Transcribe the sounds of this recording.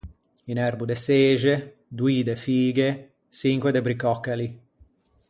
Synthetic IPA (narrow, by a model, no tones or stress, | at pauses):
inɛrbud̪eseːʒe | d̪wiːd̪efiːɡe | siŋkwed̪ebɾikɔkːali